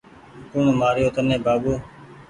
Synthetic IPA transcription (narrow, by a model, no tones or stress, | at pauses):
kʊɳmaːɾjoːt̪ənẽːbaːbuː